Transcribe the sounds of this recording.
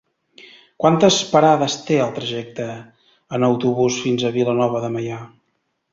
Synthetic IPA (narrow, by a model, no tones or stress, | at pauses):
kwant̪əspəɾaðəst̪eəlˠt̪ɾəʒɛk̚t̪əː | nəwt̪uβusfinzəβilənɔβ̞əðəməja